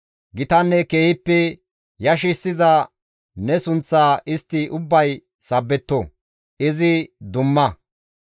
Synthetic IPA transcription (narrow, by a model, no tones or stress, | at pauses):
ɡɪt̪ɐnːɛkeːhɪpːɛ | jɐʃ̬ɪsːɪzɐ | nɛsʊnt͡sːaːʔɪst̪ːɪʔʊbːɐj | sɐbːɛt̪ːɔ | ɪzɪd̪ʊmːɐ